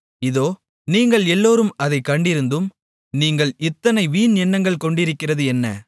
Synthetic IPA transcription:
ɪðoː | niːŋɡɐɭɛlːoːɾɯmɐðɐɪkːɐɳɖɪɾɯnd̪ɯm | niːŋɡɐɭɪt̪ːɐnɐɪʋiːnɛnːɐŋɡɐɭkɔɳɖɪɾɯkːɪrɐðɯɛnːɐ̰

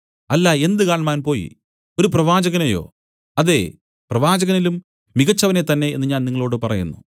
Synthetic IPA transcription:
ɐlːae̞nd̪ɨkaːɳmaːnpo̞ːjḭ | o̞ɾup̬rɐʋaːd͡ʑɐɣɐnejo̞̰ː | ɐðe̞ | prɐʋaːd͡ʑɐɣɐnilumː | iɣɐt͡ɕːɐʋɐnet̪ɐnːe̞enːɨɲaːniŋːɐɭo̞ːɽɨpɐrɐjunːu

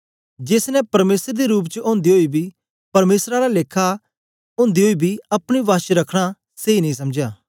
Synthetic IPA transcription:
d͡ʒeːsnɛ̃pɐɾmeːsəɾd̪eɾuːp̬t͡ʃəʔõːnd̪iɦoːibʱiː | pɐɾmeːsɾaɾaleːkʰa | õːnd̪iɦoːibʱiːɐpɽ̃iʋaːʃɾɐkʰɽ̃a | seːinəĩs̬ɐmd͡ʒjaː

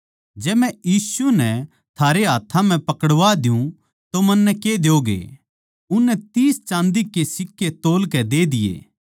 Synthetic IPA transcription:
d͡ʒɛːmɛ̃jiːsunɛ | t̪ʰaːɾeɦaːt̪ʰãm̤ɛ̃pɐkəɽʋad̪ɪjũ | t̪omɐnːɛked̪eoːɡḛ | ʊnːɛt̪iːst͡ʃãːnd̪ikesɪkːet̪oːlkɛd̪eːd̪ɪjḛː

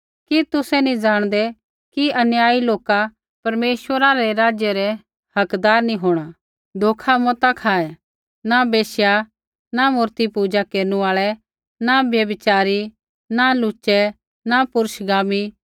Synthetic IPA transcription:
kit̪ʊsɛnĩd͡ʒaːɽ̃d̪ɛ | kiɐnjaːiloːka | pɐɾmeːʃwəɾaɾɛɾaːd͡ʒjɛɾɛ | hɐkd̪aːɾnĩɦoːɽ̃a | d̪ʱoːkʰamɔt̪akʰaːɛ | nabeːsja | namʊːɾt̪ipuːd͡ʒakeːɾnuaːɭɛ | nabjɐbɪt͡ʃaːɾi | nalʊt͡ʃɛ | napʊɾəʃɡaːmi

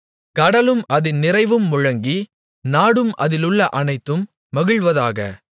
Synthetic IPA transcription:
kɐɽɐlɯmɐðɪnnːɪrɐɪʋɯmːʊɻɐŋɡi | naːɽɯmʔɐðɪlɯɭːɐʔɐnɐɪt̪ːɯmː | ɐɣɯɭʋɐðaːɣɐ̰

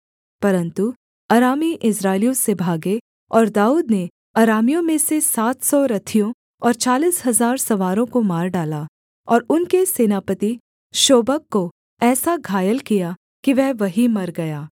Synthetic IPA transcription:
pɐɾə̃nt̪u | ɐɾaːmiʔɪsɾaːɪlijõsebʱaːɡe | ɔːɾd̪aːuːd̪ne | ɐɾaːmijõmẽsesaːt̪ʰsɔɾɐt̪ʰijõ | ɔːɾt͡ʃaːliːsɦɐzaːɾsɐʋaːɾõkomaːɾɖaːlaː | ɔːɾʊnkeseːnaːpət̪i | ʃoːbəkːo | ɛːsaɡʱaːjəlkija | kiʋɛɦʋɐɦimɐɾɡɐjaː

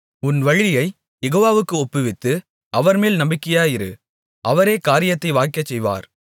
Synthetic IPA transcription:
ʊnʋɐɻɪjɐɪ | jɛɣoːʋaːʋɯkːɯɔpːɯʋɪt̪ːɯ | ʔɐʋɐɾmeːlnɐmbɪkːɪjaːjɪɾɯ̰ | ʔɐʋɐɾeːkaːɾɪjɐt̪ːɐɪʋaːɪkːɐt͡ʃːɛjʋa̰ːɾ

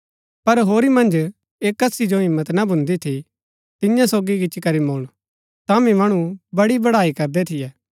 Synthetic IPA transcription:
pɐɾɦoːɾimɐ̃nd͡ʒ | eːkːɐsid͡ʒoɦɪ̃mːət̪nɐbʱʊ̃nd̪it̪ʰi | t̪ɪjãsoːɡiɡɪt͡ʃkɐɾimoːɽ̃ | t̪amĩmɐɽ̃ubɐɽibɐɽaːikɐɾd̪ɛt̪ʰɪjɛː

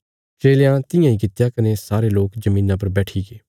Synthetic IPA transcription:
t͡ʃeːljãːt̪ɪjãːĩːkɪt̪jaːkənesaːɾeloːkd͡ʒəmĩːnãp̬ɐɾbɛːʈʰiːɡeː

